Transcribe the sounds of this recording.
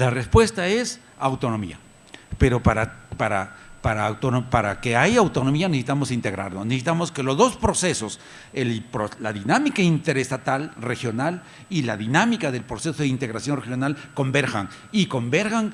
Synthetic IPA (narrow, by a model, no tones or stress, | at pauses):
larespwe̞st̪ae̞s | awt̪o̞nõ̞mḭa̰ | peɾo̞paɾapaɾapaɾaːwt̪onopaɾakeajawt̪o̞no̞mianesit̪amosint̪e̞ɣɾa̰ɾnonesesit̪amoske̞lo̞zðo̞spɾo̞se̞so̞s | elpɾolaðinamikaint̪e̞ɾest̪at̪alrexjo̞nal | ilaðinamikaðe̞lpɾo̞sesoðeint̪e̞ɣɾasjo̞nrexjonalko̞mbe̞ɾxa̰ŋ | iko̞mbe̞ɾɣaŋ